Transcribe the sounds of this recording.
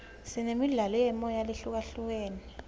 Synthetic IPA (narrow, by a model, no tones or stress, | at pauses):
sinemiɮalɔjɛmɔjaleɬuk̬aɬuk̬eːni